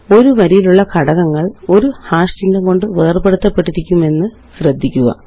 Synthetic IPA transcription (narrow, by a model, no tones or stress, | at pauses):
o̞ɾuʋɐɾijiluɭːɐkʰɐɽɐɣɐŋːɐɭo̞ɾuhaːʂt͡ɕindɐŋko̞ɳɖɨʋeːrpe̞ɽut̪ːɐpːe̞ʈːiɾikʲːume̞nːɨ | ɕrɐd̪ʱːikʲːuɣɐ̰